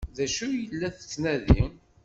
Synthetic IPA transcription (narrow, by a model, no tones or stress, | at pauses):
ðæʃujəlːæθə̥t͡sːnæðḭ